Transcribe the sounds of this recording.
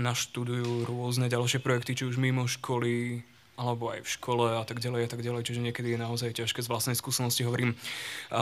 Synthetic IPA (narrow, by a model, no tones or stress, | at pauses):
naʃt̪ud̪ujuːɾʊɔznɛɟalʃɪɛpɾɔjɛkt̪it͡ʃiuʒmimɔʃkʰɔli | alɛbɔa̰jfʃkʰɔlɛat̪aɡɟalɛjat̪aɡɟalɛjt͡ʃiʒɛɲɪɛkɛd̪ijɛnaɔzajcaʃkɛːzʋlastnɛjskuːsɛnɔsciɦɔʋɔɾiːm